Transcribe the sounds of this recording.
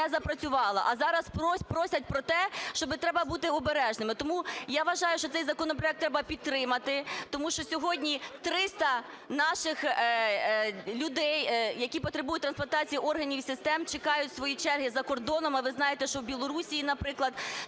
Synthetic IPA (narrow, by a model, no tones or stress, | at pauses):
ɛzɐpɾɐt͡sʲʊʋɑlˠɐ̰ʔɐzɑɾɐspɔpɾɔsʲɐt̚ʲpɾɔt̪ɛʃt͡ʃɔbɪt̪ɾɛbɐbut̪ɪɔbeɾɛʒnɪmɪt̪ɔmujaʋɐʒɑjʊʃt͡ʃɔt̪sɛjzɐkɔnɔp̬ɾɔjɛk̚t̪ɾɛbɐpʲid̪̚t̪ːɾɪmɐt̪ɪt̪ɔmuʃt͡ʃɔsʲɔɦɔdʲnʲit̪ɾɪst̪ɐ | nɑʃɪx | lʲʊd̪ɛjjɐkʲipɔt̪ɾebujʊt̚ʲt̪ɾɐnsplˠɐnt̪ɑt͡sʲijiʔɔrɦɐnʲiwsɪst̪ɛmt͡ʃekɑjʊtʲsʋɔjit͡ʃɛrɦɪzɐkɔrd̪ɔnɔmɐʋɪznɑjet̪ɛʃt͡ʃɔwbʲilˠɔɾusʲijinɐpɾɪklˠɐd̪